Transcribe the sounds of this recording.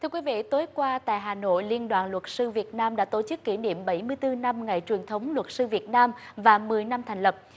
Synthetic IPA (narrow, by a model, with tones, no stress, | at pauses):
t̪ʰɨ˧əkwi˨˦vḭ˧˨t̪o˨˦jkwaː˧t̪a̰ː˧˨jɦaː˨˩no̰˧˨jli˧ənɗwaː˨˩nlwə˨˩t̚sɨ˧vi˨˩ət̚naː˧mɗa̰ː˧˥t̪o˧˩t͡ɕɨ˦˥kːi˧˩ɗḭ˧˨əmɓə˧˩jmɨ˧əjt̪ɨ˧na˧mŋa˨˩jt͡ɕwi˨˩ənt̪ʰə˨˦wŋ͡mlwə˨˩t̚sɨ˧vi˨˩ət̚naː˧mvaː˨˩mɨ˨˩əjna˧mt̪ʰŋ̟lə˨˩p̚